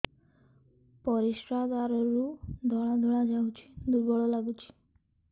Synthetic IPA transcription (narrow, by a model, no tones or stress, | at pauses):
pɔɾiʃɾad̪aɾɔɾud̪ʱɔɭad̪ʱɔɭad͡ʒaut͡ɕi̥d̪uɾbɔɭɔlaɡut͡ɕʰi̥